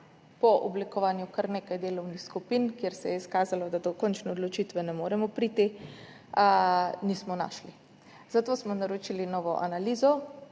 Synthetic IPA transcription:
pɔʔɔblikɔʋaːnjukaɾneːkajd̪eːlɔwnixskupinkjeɾsɛjɛiskaːzalɔd̪ad̪ɔkɔnt͡ʃnɛod̪lɔt͡ʃiːt̪ʋɛnɛmoːɾɛmɔpɾit̪i | niːsmɔna̰ːʃli | zat̪oːsmɔnaɾot͡ʃilinɔːʋɔʔa̰naliːzɔ

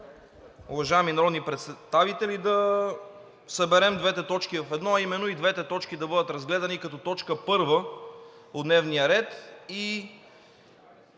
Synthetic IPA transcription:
ʊvɐʒaɛminɐɾɔd̪nipɾɛt̪st̪avit̪ɛlid̪ɐ | sɐbɛɾɛmd̪vɛt̪ɛt̪ɔt͡ʃkivɐfɛd̪nɔɐimɛnːoid̪vɛt̪ɛt̪ɔt͡ʃkid̪ɐbɤd̪ət̪ɾɐzɡlɛd̪ɐnikɐt̪ɔt̪ɔt͡ʃkəpɤɾvə | od̪nɛvnijəɾɛt̪i

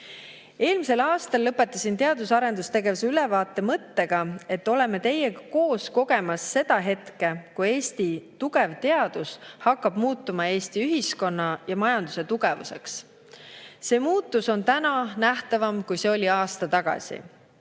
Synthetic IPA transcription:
e̞ːlmise̞lɑːst̪ɑlːɤpːˑe̞t̪ːˑɑsint̪e̞ɑd̪usɑɾe̞nd̪̥ust̪e̞ɡe̞vuseylɛvɑːt̪ːˑe̞mɤt̪ːe̞ɡ̥ɑe̞t̪ːo̞le̞me̞t̪e̞jeɡɑko̞ːsko̞ɡ̥e̞mɑsːe̞d̪̥ɑɦe̞t̪ke̞kuje̞ːst̪it̪uɡe̞vt̪e̞ɑd̪̥ushɑkːˑɑb̥muːt̪ːumɑe̞ːst̪iyɦisko̞nːɑjɑmɑjɑnd̪use̞t̪uɡe̞vṵse̞̰ks | se̞ːmuːt̪ːˑuso̞nt̪ænɑnæht̪ɑvɑmkujse̞o̞lʲiɑːst̪ɑt̪ɑɡ̥ɑ̰sʲḭ

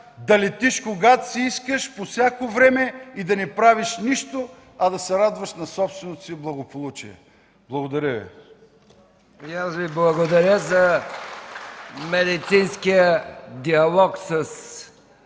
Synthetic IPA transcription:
d̪ɐlit̪iʃkoɡat̪siiskəʃposʲakovɾɛmɛid̪ɐnɛpɾaviʃniʃt̪o | ɐd̪ɐsɛɾad̪vəʃnɐsɔpst̪vɛnot̪o̥siblˠɐɡopolˠut͡ʃḭɛ̰ | blˠɐɡod̪ɐɾʲəvḭ | jasviblˠɐɡod̪ɐɾʲəzɐ | mɛd̪it̪sinskijəd̪iɐlˠɔksəs

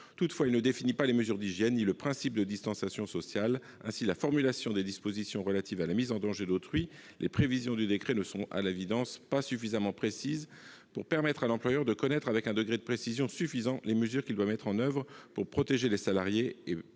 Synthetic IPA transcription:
t̪ut̪fwailnəd̪efinipaleməzyʁd̪iʒjɛnːiləpχɛ̃sip̚d̪əd̪ist̪ɑ̃sjasjɔ̃sɔsjal | ɛ̰̃silafɔʁmylasjɔ̃d̪ed̪ispozisjɔ̃ʁəlat̪ivalamizɑ̃d̪ɑ̃ʒed̪ot̪χɥi | lʔepχevizjɔ̃d̪yd̪ekχenəsɔ̃a̰levid̪ɑ̃spasyfizamɑ̃pχesiz | puʁpɛʁmɛt̪χalɑ̃plwajœʁd̪əkɔnɛt̪χavɛkɛ̃d̪əɡʁed̪əpχesizjɔ̃syfizɑ̃leməzyʁkʲild̪wamɛt̪χɑ̃nœvʁpuʁpχɔt̪eʒelesalaʁjee

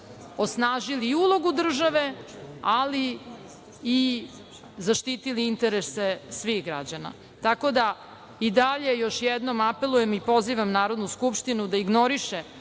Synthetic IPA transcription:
o̞snaːʒiliːulˠo̞ɡud̪r̩ʒaʋe̞ali | i | zaʃt̪iːt̪iliint̪e̞ɾesesʋixɡɾa̰d͡ʑana̰ | t̪ako̞d̪a | id̪aʎe̞jo̞ʃjɛd̪no̞mape̞lujemipo̞ziʋamnaːɾo̞d̪nuskupʃt̪inud̪aiɡno̞ɾiʃe

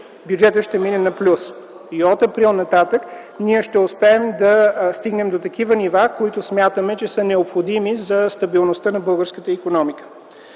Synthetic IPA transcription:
bjud͡ʒɛt̪əʃt̪ɛminɛnɐplʲus | iɔt̪ɐpɾilˠnɐt̪at̪ək | niɛʃt̪ɛʊspɛːmd̪ɐst̪iɡnɛmd̪ot̪ɐkivənivakoit̪ʊsmʲjat̪əmɛt͡ʃɛsənɛopxod̪imizɐst̪ɐbilˠnost̪ənɐbɤlˠɡəɾskət̪əikonɔmikə̥

